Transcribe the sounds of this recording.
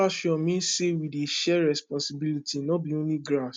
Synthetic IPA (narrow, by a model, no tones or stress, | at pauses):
aʃɔ̃mĩn̩sewideʃɛɾɛspɔ̃sibilitinɔ̃bionĩɡɾaʃ